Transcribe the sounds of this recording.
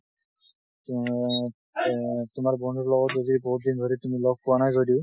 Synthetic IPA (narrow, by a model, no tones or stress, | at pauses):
tʊmaɹbɔndʱuɹlɔɡɔtzodibɔɦut̚dindʱoɹitumilɔɡ̚puwanajzodiʊ